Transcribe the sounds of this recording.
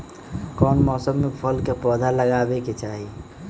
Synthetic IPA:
kɔːnmɔːsəmːepʰəlkepɔd̪ʱaləɡaːbeket͡ʃaːɦi

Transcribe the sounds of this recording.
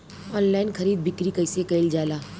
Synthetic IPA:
ɔːnlaːɪnkʰɐɾiːd̪̚bɪkɾikɐɪsekɐɪld͡ʒaːlaː

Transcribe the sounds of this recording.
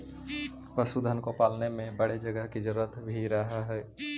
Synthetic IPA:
pɾəsud̪ʱənkopaːlnemẽbəɽed͡ʒəɡəɦkid͡ʒəɾuːɾət̪bʱiɾəɦaɦɛː

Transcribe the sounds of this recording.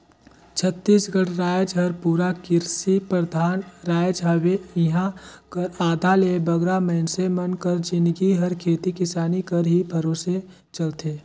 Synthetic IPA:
t͡ʃʰət̪ːiːsɡəɽɾaːjd͡ʒɦɐɾpuːɾakɪɾsipɾəd̪ʱaːnɾaːjd͡ʒɦəweɪɦãkəɾaːd̪ʱalebɐɡɾamɐɪnsemɐnkəɾd͡ʒɪ̃nɡiɦɐɾkʰeːt̪ikɪsaːnikəɾɦibʱɐɾoːse | t͡ʃəlt̪eː

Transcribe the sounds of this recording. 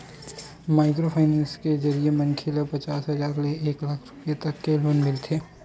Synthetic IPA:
maːɪk̬ɾopʰaːɪnɛ̃ːnsked͡ʒɐɾiemɐnkʰɪləpɐt͡ʃaːsɦɐzaːɾleeːklaːkʰɾʊpijet̪ɐkːeloːnmɪlt̪ʰeː

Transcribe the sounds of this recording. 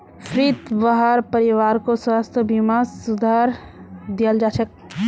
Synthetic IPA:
pʰɾiːt̪baɦaɾpəɾɪʋaːɾkoswaːst̪ʰəbimasʊd̪ʱaɾd̪ijəld͡ʒaːt͡ʃʰək̚

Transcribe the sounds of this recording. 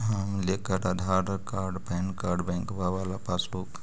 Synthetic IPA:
ɦəmlekəɾad̪ʱaɾkaːɾɖpɛnkaːɾɖbɛ̃ŋkʋaʋalapasuk

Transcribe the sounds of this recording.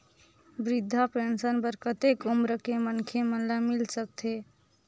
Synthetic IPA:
bɾid̪ʱːapensənbəɾkət̪ekumɾəkemənkʰemənlamilsək̚t̪ʰe

